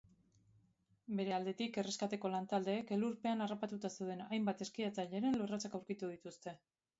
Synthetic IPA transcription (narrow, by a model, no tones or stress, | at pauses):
be̞ɾe̞ald̪e̞t̪ike̞re̞skat̪e̞ko̞lant̪ald̪e̞ːke̞luɾpe̞anarapat̪ut̪ase̞wð̞e̞najmbat̪e̞skiat͡saʎe̞ɾe̞nlorat͡sakawɾkit̪uð̞it̪ust̪e̞